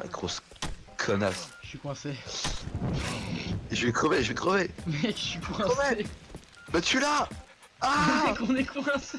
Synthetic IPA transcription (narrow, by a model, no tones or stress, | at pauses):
a̰ɡʁos | kʰɔnasʃikwɛ̃se | ʒəvɛkχəveʒəvɛkχəvemɛʃɥikwɛ̃sɛe | bat̪yla | aɛkɔ̃nɛkwɛ̃s